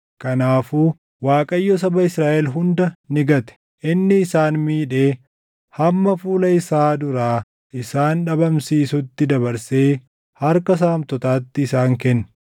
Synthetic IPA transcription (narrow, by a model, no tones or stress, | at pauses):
kɐnaːfuː | waːkʼɐjːɔs̬ɐbɐɪsɾaːʔɛlɦʊnd̪ɐnɪɡɐt̪ɛ̥ | ʔɪnːɪːsaːnmiːᶑe̞ː | hɐmːɐfuːlɐɪsaːd̪ʊɾaː | ʔɪsaːnᶑɐbɐmsiːsʊt̪ːɪd̪ɐbɐɾse̞ː | hɐɾkɐs̬aːmt̪ɔt̪aːt̪ːɪːsaːŋkɛnːʊ̥